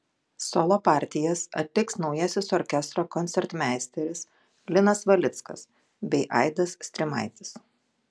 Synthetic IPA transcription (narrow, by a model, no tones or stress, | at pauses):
sɔlˠoːpɑˑɾʲt̪ʲɪjɛsɐ̰t̪ʲlʲɪksnɒʊjɛsʲɪsɔɾʲkʲɛst̪ɾoːkɔnʲt̪sʲɛɾt̪mʲæːsʲt̪ʲɛɾʲɪs | lʲɪnɐsʋɐlʲɪt̪skɐ̰s | bʲɛɪʔɑ̰ɪd̪ɐssʲt̪ʲɾʲɪmɐ̰ɪt̪ʲɪ̥s